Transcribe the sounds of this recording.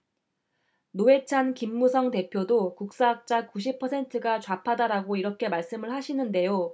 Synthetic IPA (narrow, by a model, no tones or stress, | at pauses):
noe̞t͡ɕʰankimːusʰʌŋte̞pʰjodokuk̚s͈aɦak̚t͡ɕ͈akuɕ̬ʰipʰʌsʰe̞ntʰɯɡat͡ɕwapʰadaɾaɡoiɾʌkʰe̞maɭs͈ɯmɯɭhaɕʰinɯnde̞jo